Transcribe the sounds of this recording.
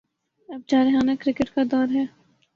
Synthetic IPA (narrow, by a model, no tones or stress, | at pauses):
ɐb̚d͡ʒaːɾɪɦaːnakɾɪkɪʈkad̪ɔːɾɦɛː